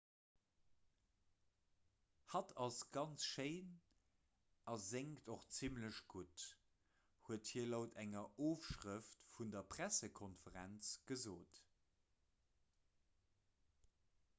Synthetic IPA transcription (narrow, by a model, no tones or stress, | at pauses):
hɑtʰɑsɡ̥ɑnt͡sʃeɪn | ʔɑzeŋktoχt͡simləɕɡ̥ut | huəthiːɐloʊtʰæŋɐʔoːfʃʁəftfundɐpʁ̥æsəkʰɔnfəʁænt͡sɡ̥əzoːt